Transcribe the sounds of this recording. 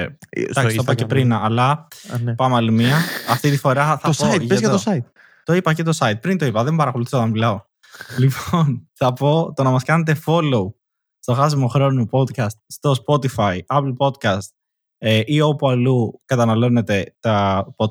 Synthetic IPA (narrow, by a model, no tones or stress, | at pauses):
ɐssopɐepɾinɐlɐpɐmɐlimiɐɐft̪it̪ifo̞ɾɐθɐospoɐt̪eɐzʝɐt̪osɐit̪ | t̪oipɐce̞t̪o̞sɐit̪̚pɾint̪o̞ipɐðembɐɾɐko̞luθisot̪ɐmilɐo̞ | lipʰo̞nθɐpo̞t̪o̞nɐmɐskɐne̞t̪e̞fo̞lou | st̪o̞xɐs̬imo̞xɾo̞nopo̞d̪kɐst̪̚st̪o̞spo̞t̪ifɐiɐplpo̞d̪kɐst̪ | eʔiopuɐlukɐt̪ɐnɐlo̞ne̞t̪e̞t̪ɐpo